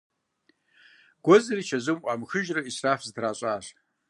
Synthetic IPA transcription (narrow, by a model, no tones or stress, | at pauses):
ɡ̥ʷʊzrit͡ʃʰazɨmʔʷʼamxɨʒrɨisrafztʰraɕʷʼaʂ